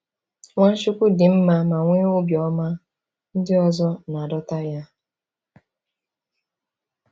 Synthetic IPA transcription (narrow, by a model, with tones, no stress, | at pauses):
ŋʷa˦ʃʊ˦kʷʊ˦dɪ˨m̩˦ma˦ma˨ŋʷɪ˦ʊ˦bjɔ˨˦ma˦ | n̩˦dɪ˦ɔ˦zɔ˦na˨dɔ˦ta˦ja˦